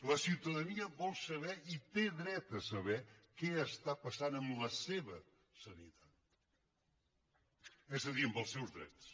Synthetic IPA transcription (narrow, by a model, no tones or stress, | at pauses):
lɐsiwt̪ɐðɐniɐβɔlˠsɐβɛit̪eðɾɛt̪ɐsɐβɛkeəst̪apɐsanəmlɐseβɐ | sɐnḭt̪at̪ | ɛzðəðiɾəmbəlˠsewzðɾɛ̰t̪s